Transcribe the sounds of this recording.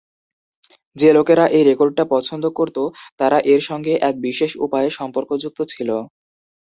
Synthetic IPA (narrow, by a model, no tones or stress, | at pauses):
d͡ʑelokeɾaʔejɾekoɾɖ̚ʈapɔt͡ɕʰond̪okoɾt̪ot̪aɾaʔeɾʃɔŋɡeʔɛk̚biʃeʃṵpaeʃɔmpoɾkod͡ʑuk̚t̪ot͡ɕʰilo